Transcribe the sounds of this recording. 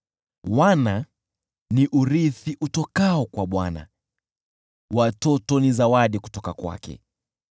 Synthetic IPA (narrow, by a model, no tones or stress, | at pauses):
wana | niʔuɾiθiʔutɔkaɔkwaɓwana̰ | watɔtɔnizawaɗiku̥tɔkakwa̰kɛ̰